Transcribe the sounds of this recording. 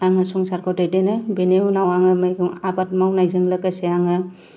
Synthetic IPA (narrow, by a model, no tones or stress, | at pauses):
aŋɯsɔŋsaɾkʰɔdajdenɯbenewnawaŋɯmajɡɯŋabat̚mawnajzɯŋlakaseaŋɯ